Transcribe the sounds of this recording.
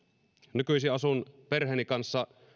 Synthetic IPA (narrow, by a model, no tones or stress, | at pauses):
nykyisiʔɑsunperheˑːnikɑnsːɑ